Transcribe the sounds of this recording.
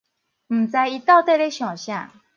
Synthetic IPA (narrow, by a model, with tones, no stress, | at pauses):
m̩˨˩t͡sa˧ji˧t̪a˥˧ʊt̪e˥˧˨ɾe˦ɕjɔ̃˨˩ɕjã̰˥˨